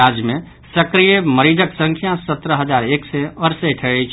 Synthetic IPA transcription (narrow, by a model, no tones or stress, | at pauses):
ad͡ʒjmẽ | səkɾijeməɾiːd͡ʒəksə̃ŋkʰjãsət̪ɾəɦəd͡ʒaːɾeːkseəɾseʈʰɛːɽet͡ʃʰ